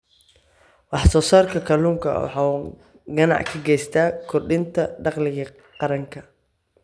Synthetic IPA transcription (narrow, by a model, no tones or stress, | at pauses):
wɑħsɔːsaːrkʰɐkʰɐluːŋkʰɐ̰wɑ̰ħɑ | ɡɐnɑ̰ʕkʰɐɡɛjst̪ʰaːkʰʊrɖɪnt̪ʰɐɖɑqlɪɣɐ | qɑɾɐŋkʰɐ